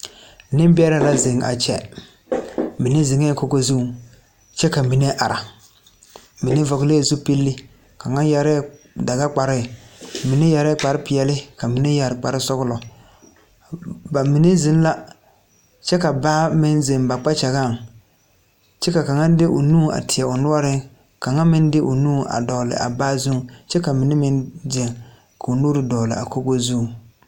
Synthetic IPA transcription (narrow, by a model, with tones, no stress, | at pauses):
nɪ˦m˦bɪ˦ɛ˦ɾa˨la˦ze˨ŋa̰˨t͡ʃɛ̰˨ | mi˨ne˦zɪ˨ŋɛ˦ko˦ko˦zu˦˨ŋ | t͡ʃɛ˦ka˨mi˨ne˦ʔa˨ɾa˨ | mi˨ne˦vɔ˨ɣleː˦˨zu˦pi˦lːɪ˦ | ka˨ŋa˦nja˨ɾɛ˦˨ | da˨ɡa˦k͡pa˨ɾɪ˦˨mɪ˨ne˦ja˨ɾɛ˦k͡pa˨ɾɪ˦pɪ˨ɛ˨lɪ˦ka˨mi˨ne˦ja˨ɾɪ˨k͡pa˨ɾɪ˦sɔ˦ɣʊ˦lɔ˨ | ba˨mi˨ne˦zɪ˦n˦la˦ | t͡ʃɛ˦ka˨baː˦mɪ˦nze˨mba˨k͡pa˦t͡ʃa˨ɣa˦˨ŋ | t͡ʃɛ˦ka˨ka˨ŋa˦dɪ˦ʔʊ˨nũː˦˨a̰˨tʰɪ˨a˨ʊ˨nʊ˦ɔ˦ɾɪ˦ | ka˨ŋa˦mɪ˦ndɪ˦ʔʊ˨nuː˦˨a̰˨dɔː˨lɪ̰˨ʔa̰˨baː˦zu˦t͡ʃɛ˦ka˨mɪ˨nɪ˦mɪ˦nze˨ŋ | ka˨ʊ˨nu˦ɾɪ˨dɔː˨lɪ̰˨a̰˨ko˦ɡo˦zu˦˨